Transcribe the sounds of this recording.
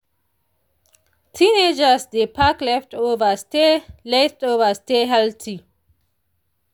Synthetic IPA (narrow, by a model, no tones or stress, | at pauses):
tʰined͡ʒasd̪epʰaklɛftoːvastelɛftoːvasteɦɛltʰi